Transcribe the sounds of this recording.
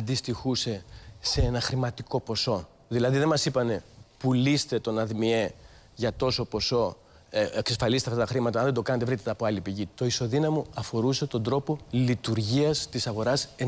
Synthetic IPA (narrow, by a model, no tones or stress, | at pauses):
d̪ist̪ixuse̞seenɐxɾimɐt̪iko̞po̞so̞ | ðilɐðiðe̞mɐsipɐne̞pulist̪e̞t̪o̞nɐðmie̞ | ʝɐt̪o̞so̞po̞so̞ | eksesfɐlist̪eɐft̪ɐt̪ɐxɾimɐt̪ɐɐnðe̞d̪o̞kɐnɐt̪̬evɾit̪et̪ɐːpoɐlipiʝit̪o̞iso̞ðinɐmuɐfo̞ɾuse̞t̪o̞nd̪ɾo̞po̞lit̪uɾʝiɐst̪isɐɣo̞ɾɐse